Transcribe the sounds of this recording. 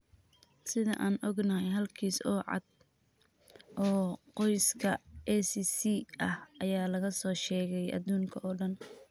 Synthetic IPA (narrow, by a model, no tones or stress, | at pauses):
sɪðɐ̰ʔaːnʔɔɡnɐɦɛjɦɐlkʰiːsɔːʕɑ̰d̪̥̚ | ʔɔːqɔjskʰɐʔɛsisiɐhʔɐjaːlɐɣɐsɔːʃɛːɣɛjʔɐ̰ðuːŋkʰɐɔːɖɐn